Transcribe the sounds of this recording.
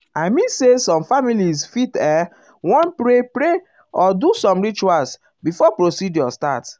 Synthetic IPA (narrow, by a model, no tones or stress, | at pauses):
aɪmĩnsesɔ̃mfamilisfitɛ | wɔ̃npɾepɾe | ɔdusɔ̃mɹit͡ʃuals | bifɔpɹosidjɔsta̰t